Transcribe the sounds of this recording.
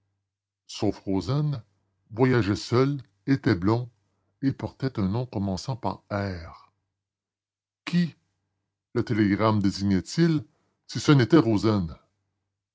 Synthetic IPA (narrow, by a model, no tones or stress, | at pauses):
sofʁozɛn | vwajaʒɛsœl | et̪ɛblɔ̃ | epɔʁt̪ɛt̪œ̃nɔ̃kɔmɑ̃sɑ̃pa̰ʁɛːʁ | kʲʰi | lət̪eleɡʁamd̪eziɲɛt̪il | sisənet̪ɛʁozɛn